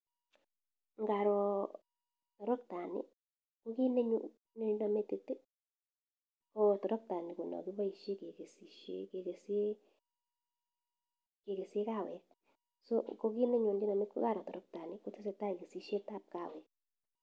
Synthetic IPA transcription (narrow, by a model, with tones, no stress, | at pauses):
ŋɡa˨ɾɔ˨ | tɔ˨ɾɔ˦k̚ta˨nḭ˨˦ | ko˦ki˦ne˦ɲo˨ | ne˦ɲ˦nɔ˨me˦te˨te˦ | ko˨tɔ˨ɾɔ˦k̚ta˨ni˨ku˨nɔ̰˨ki˦ba˦i˨ʃe˦ke˨ke˨si˨ʃḛ˦ke˨ke˨se˦ | ke˨ke˨se˦ka˦˨wɛ˨ | so˦ko˦ki˦ne˦ɲo˨ni˦nɔ˨me˦kɡa˦˨ɾɔ˨tɔ˨ɾɔ˦k̚ta˨ni˦ko˦te˦s̬e˨ta˦i˨ɡe˨si˦ʃe˦ta˦˨p̚ka˨wɛ˨˦